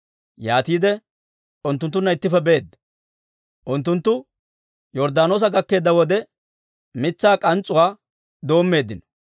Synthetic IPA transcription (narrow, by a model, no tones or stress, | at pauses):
jaːt̪iːd̪ɛ | ʊnt̪ːʊnt̪ːʊnːɐɪt̪ːɪfɛbe̞ːd̪ːɐ | ʔʊnt̪ːʊnt̪ːʊ | jɔɾd̪aːno̞ːs̬ɐɡɐkːe̞ːd̪ːɐwɔd̪ɛ | mɪt͡sːaːkʼɐnt͡sʼʊwaː | d̪o̞ːmːe̞ːd̪ɪnɔ̥